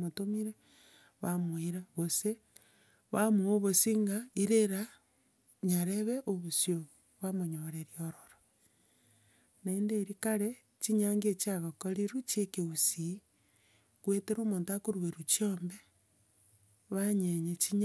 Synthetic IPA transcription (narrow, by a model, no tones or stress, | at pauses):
motomiɾe | βamwiɾaβose | βamuoβosiŋɡaiɾeɾa | ɲaɾeβeʔoβosjo | βamoɲoɾeɾioɾoɾo | naendeɾikaɾe | t͡ʃiɲaŋɡiet͡ʃiaɣokoɾiɾut͡ʃekeusi | kweteɾoːmoːntakoɾweɾut͡ʃombe | βaɲeɲet͡ʃiɲ